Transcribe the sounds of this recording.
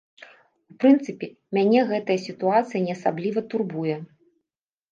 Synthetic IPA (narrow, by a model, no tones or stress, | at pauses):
upɾɨnt̪sɨpʲɛ | mʲanʲɛɣɛt̪ɐjɐsʲit̪uat̪sɨjɐnʲɛɐsablʲivɐt̪urbujɛ